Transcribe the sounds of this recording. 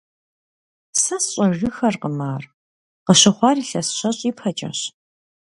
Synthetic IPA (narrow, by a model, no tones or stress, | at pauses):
sɐsɕʼɐʒɨxɐrqəmaːr | qəɕɐχʷɑːriːɬɐsɕɐɕʼiːpʰɐt͡ʃʼɐ̰ɕ